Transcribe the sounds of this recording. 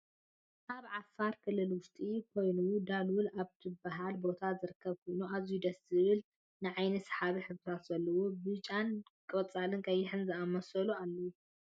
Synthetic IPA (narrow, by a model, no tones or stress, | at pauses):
ʔaβʕafːaɾkʰɨlːɨlwʊst̪ʼikʰo̞jnud̪alwulaβt̪ʰɨbaɦalbo̞t̪ʰazɨɾɨkːɐβkʰojnuʔazujud̪ɐsɨβɨl | nɨʕajnɐsħaβiħɨβt̪t̪ʰat̪z̥ɐlːɐwubɨt͡ʃʼankʼɐt͡sʼalɨnkʰɐjːɪħɨnzɨamɐsɐlualːɐwu